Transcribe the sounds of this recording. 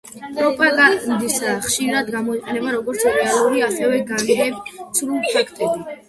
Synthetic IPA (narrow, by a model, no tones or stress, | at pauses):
pʼɾɔpʼaɡad̪isχʃiɾad̪ɡamɔiqʼɛnɛbaɾɔɡɔɾt̪sʰɾɛalˠuɾiasɛvɛɡanɡɛt̪sʰɾulˠpʰakʰt̪ʼɛbi